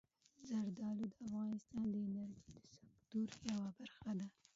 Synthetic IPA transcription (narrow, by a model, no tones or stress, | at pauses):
zaɾd̪ɑlud̪əafɣɑnɪst̪ɑnd̪əɪnaɾd͡ʒid̪ə̥sakt̪uɾjawabaɾxad̪a